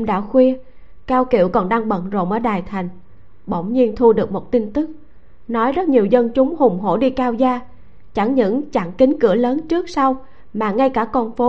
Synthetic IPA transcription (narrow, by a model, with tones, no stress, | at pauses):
ŋ͡mɗa̰ː˧˥xwi˧ə | kaː˧wkḭ˧˩˨wkɔ˨˩nɗaː˧ŋɓə̰˧˨nzo̰˧˨˩mʔəː˧˩ɗaː˨˩jt̪ʰa˨˩jŋ̟ | ɓo̰˧˩wŋ͡mɲi˧ənt̪ʰu˧ɗɨ˨˩ək̚mo˨˩t̚t̪i˧nt̪ɨ˦˥k̚ | nɔ˨˦jzə˦˥t̚ɲi˨˩əwzə˧nt͡ɕʊ˨˦ŋ͡mhʊ˨˩ŋ͡mɦo̰˧˥ɗi˧kaː˧wzaː˧ | t͡ɕa˧˩ŋɲɨ̰˧˥ŋt͡ɕa˧˩ŋkï˨˦ŋkɨ̰˧˩ələː˨˦nt͡ɕɨ˦˥ək̚sa˧w | maː˨˩ŋa˧jkaː˧˩kɔ˧nfo˨˦